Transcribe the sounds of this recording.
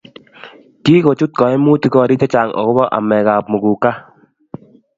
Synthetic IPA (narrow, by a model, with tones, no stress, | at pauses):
ki˦ko˨t͡ʃu˦t̚kɔ˨ɛ˦mu˦ti˦kɔ˦˨ɾi˦tɛ˦t͡ʃa˨ŋɔ̰˨ko˦bɔ˦ʔa̰˨mɛ˨ka˨pmu˨ɡu˨ka˦